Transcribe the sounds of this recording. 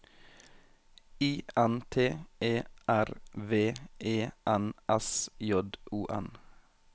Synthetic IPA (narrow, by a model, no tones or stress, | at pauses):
iːænt̪ʰeːʔeːʔæɾʋeːʔeːʔænæsjɔd̪uːʔɛ̰n